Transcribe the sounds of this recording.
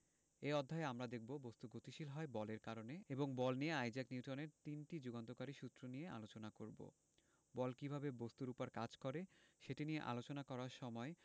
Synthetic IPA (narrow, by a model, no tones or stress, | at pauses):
eɔd̪ʱːaeamɾad̪ek̚ʰbobost̪uɡot̪iʃilɦɔebɔleɾkaɾoneeboŋbɔlnijeajd͡ʑakniuʈoneɾt̪inʈid͡ʑuɡant̪okaɾiʃut̪ːɾonijeʔa̰lot͡ɕonakoɾbo̰ | bɔlkibʱabebost̪uɾupaɾkad͡ʑkoɾeʃeʈinijeʔa̰lot͡ɕonakɔɾaɾʃɔmɔe